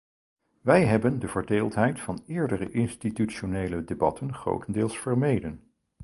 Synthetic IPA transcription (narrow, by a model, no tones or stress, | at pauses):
ʋɛjɦɛbəndəvəɹdeːlˠtɦɛjtfɑnɪːɹdərəʔɪnstityʃonejlədebɑtənχro̰wtəndɪːlˠsfəɹmejdən